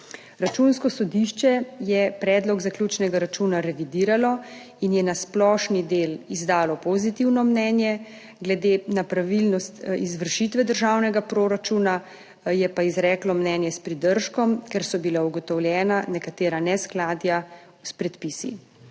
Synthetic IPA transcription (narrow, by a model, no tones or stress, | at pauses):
ɾat͡ʃunskɔsɔd̪iʃt͡ʃɛjɛpɾɛːd̪lɔɡzaklʲjuːt͡ʃnɛɡaɾat͡ʃunaɾɛʋid̪iːɾalɔ | injɛnasplɔːʃnid̪eːlizd̪aːlɔpɔzit̪iwnɔmnɛːnjɛ | ɡlɛd̪eːnapɾaʋilnɔst̪izʋəɾʃit̪ʋɛd̪əɾʒaːwnɛɡapɾoːɾat͡ʃuna | jɛpaizɾɛːklɔmnɛːnjɛspɾid̪əɾʃkɔmkɛɾsɔbilauɡɔt̪ɔwljɛːnanɛkat̪eːɾanɛsklaːd̪ja | spɾɛt̪piːsḭ